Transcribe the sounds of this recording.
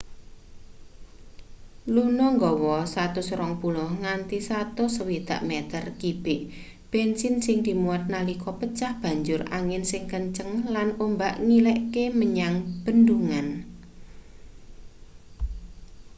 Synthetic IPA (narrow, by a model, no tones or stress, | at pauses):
lunɔŋɡɔwɔsat̪usɾɔŋpulʊhŋant̪isat̪usəwid̪̥a̤̰ʔmɛt̪ərkib̥ɪʔ | b̥ensɪnsɪŋd̪̥i̤muat̪̚nalikɔpət͡ʃahb̥ä̤ɲd͡ʒʊra̰ŋɪnsɪŋkəɲt͡ʃəŋlanombaʔŋilɛʔkeməɲaŋb̥ənd̪uŋan